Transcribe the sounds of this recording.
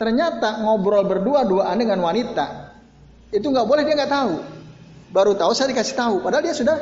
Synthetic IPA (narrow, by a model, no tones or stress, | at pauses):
t̪ərɲat̪aŋɔbɾɔlbərduaduaʔandəŋanwanit̪a̰ | it̪uŋɡaʔbolɛhdiaŋɡaʔt̪aɦu | baɾut̪ausajadikasɪht̪aɦupadaɦaldiasudah